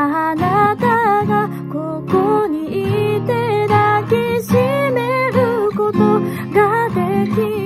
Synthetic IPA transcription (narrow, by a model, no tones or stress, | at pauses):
anat̪aɡa | kokoɲ̟iit̪e̞nakiɕime̞ɾɯ̟ko̞t̪o | ɡad̪e̞kʲi